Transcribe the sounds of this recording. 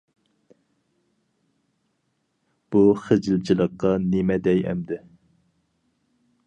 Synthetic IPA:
b̥uχed͡ʒilt͡ʃʰilˠəqːɑnemɛd̪ɛjɛ̰md̪ɪ

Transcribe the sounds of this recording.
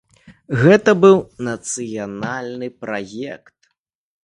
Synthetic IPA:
ɣɛt̪ɐbɨwnɐt̪sɨjanalʲnɨpɾajɛkt̪̚

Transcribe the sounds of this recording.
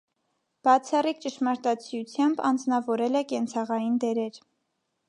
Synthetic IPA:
b̥ɑt͡sʰɑrik̚t͡ʃəʃmɑɾt̪ɑt͡sʰjut͡sʰjɑmbɑ̰nd͡znɑvɔɾɛlɛkɛnt͡sʰɑʁɑjind̪ɛɾɛɾ

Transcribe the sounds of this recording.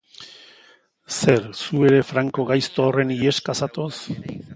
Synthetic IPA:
se̞ɾsue̞ɾe̞fɾaŋko̞ɣajst̪oːre̞nie̞skasat̪o̞s

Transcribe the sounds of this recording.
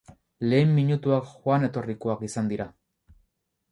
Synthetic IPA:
le̞ːmːiɲut̪uakxwane̞t̪o̞rikoakisand̪iɾa

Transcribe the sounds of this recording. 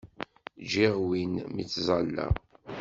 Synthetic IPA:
d͡ʒiʁwinmḭt͡sːzˤɑlːæ̰

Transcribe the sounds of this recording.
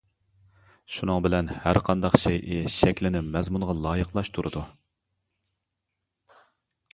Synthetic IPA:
ʃunɨŋbɪlɛnhæɾqʰɑnd̪ɑqʃɛjʔɪʃɛkʲlɪnɪmɛzmunʁɑlˠɑːjəqlˠɑʃt̪ʰuɾʔɨd̪u

